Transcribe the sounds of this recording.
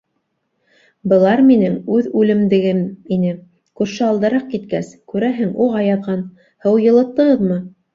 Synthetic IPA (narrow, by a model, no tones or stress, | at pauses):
bɤ̆lˠɑɾminɘŋʉðʉlɘ̆md̪ɘ̆ɡɘminɘ | kʉɾʃɘɑlˠd̪ɤ̆ɾɑq̚kit̪kæskʉɾæɦɘŋuʁɑjɑðʁɑn | hɤwjɤ̆lˠɤ̆t̪ːɤ̆ʁɤðmɤ